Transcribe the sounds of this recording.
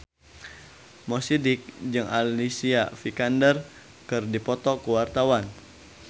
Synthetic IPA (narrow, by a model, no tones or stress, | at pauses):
mɔsidɪk̚d͡ʒɨŋʔa̰lisiafikandər | kɨrdipɔt̪ɔkuwart̪awan